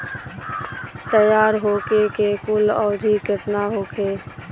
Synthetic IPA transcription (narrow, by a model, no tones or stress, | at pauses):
t̪əjaːɾɦoːkekekʊlɔːd̪ʱikət̪naɦoːkʰeː